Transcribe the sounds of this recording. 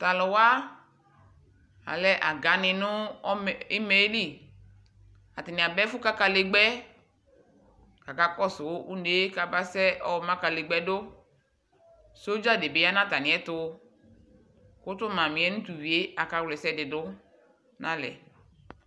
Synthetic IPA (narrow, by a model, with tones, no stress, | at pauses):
t̪a˨lʊ˨wa˦ | a̰˨lɛ˦ʔa˨ɡa˨nɪ̃˨nʊ̃˦˨ | i˦me˨˦li˦˨ | a˨tɪ˨nɪ̃˨a˨bɛ˦fʊ˦ka˦ka˨le˨ɡ͡bɛ˦ | ka˨ka˨kɔ˦sʊ˨˦ʔu˦nde˦ka˨ba˦sɛ˦ʔɔ˦wɔ˨mã˦ka˨le˨ɡ͡bɛ˦dʊ˦ | so˦d͡ʒa˦˨de˨be˨˦a˦nã˦ta˨nɪ̃˨ɛ˦tʊ˦ | kʊ˦t̪ʊ˦mã˨mĩ˨ɛ˦nʊ̃˦t̪u˨wi˨e˦a˨ka˨wlɛ˨sɛ˦dɪ˨dʊ˦ | nã˦lɛ̰˨